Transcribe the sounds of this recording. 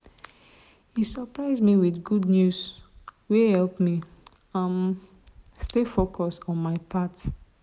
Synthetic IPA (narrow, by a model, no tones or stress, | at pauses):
hisəpɹaɪzmiwiθɡudnjuswehɛlpmi | ãm | stefokʰɔsɔ̃nmaɪpʰat